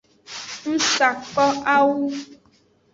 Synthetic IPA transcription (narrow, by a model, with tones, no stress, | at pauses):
n̩˦sa˨kɔ˦ʔa˦wu˦